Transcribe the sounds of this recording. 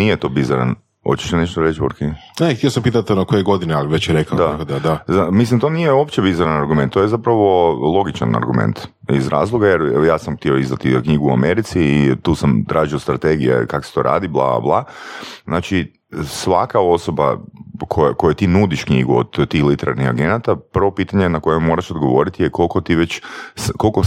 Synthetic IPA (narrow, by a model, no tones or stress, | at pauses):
nijet̪o̞bizaɾa̰n | ho̰t͡ɕe̥ʃeneʃt̪oɾet͡ʃboɾkiɡnet̪ijosampiːt̪at̪onokojeɡo̞d̪inealiʋet͡ɕjeɾekad̪aakod̪ad̪azamislimt̪o̞nijeopt͡ʃebizaɾanaɾɡument̪t̪ːojezapɾaʋo̞lˠo̞ɡit͡ʃa̰na̰ɾɡumḛnt̪ | ḭzɾa̰ːzlˠoɡajeɾjaːsamxt̪ioizd̪at̪ikɲiɡuːa̰meɾit̪siːt̪uːsamt̪ɾʔaːʒiost̪ɾat̪eɡijḛkako̥se̥t̪o̞̰ɾʔa̰ːd̪iblˠa̰a̰blˠaznaːt͡ʃi | sʋakao̞so̞ba̰kʰojko̞jet̪inud̪iʃkɲḭɡuo̰d̪t̪iːxlit̪eɾa̰ɾnixa̰ɡe̞nat̪apr̩ʋo̞piːt̪aɲenako̞jemːo̞ɾaʃod̪ɡo̞ʋo̞̰ɾit̪ijeko̞lkot̪iʋet͡ɕskolko